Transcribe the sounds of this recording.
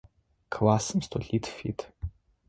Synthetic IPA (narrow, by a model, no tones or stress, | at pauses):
kʰlaːsɨmst̪ʰoɬiːtʰfḭːtʰ